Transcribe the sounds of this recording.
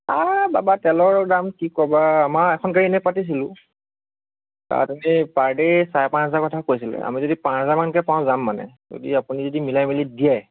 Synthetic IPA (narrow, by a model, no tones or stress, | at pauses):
ababatɛlɔɹdamkikɔbaːmaɛkʰɔnkaɹiɛnɛpatis̬ilʊ̃ | ka̰tanɛpaɹdɛsajpãnsɛzakɔtʰakojs̬ilɛ̰a̰mizodipãɛzamankɛpãw̃zamːanɛ̰zo̰diapunizodimilajmilidiɛ